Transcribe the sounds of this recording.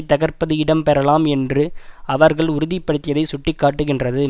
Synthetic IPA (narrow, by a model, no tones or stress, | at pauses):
t̪ːɐɣɐɾpɐðɯɪɽɐmpɛɾɐlaːmɛndrɯɐʋɐɾɣɐɭʊɾʊðɪpːɐɽɯt̪ːɪjɐðɐɪsʊʈːɪkːaːʈːɯɣɪndrɐðɯ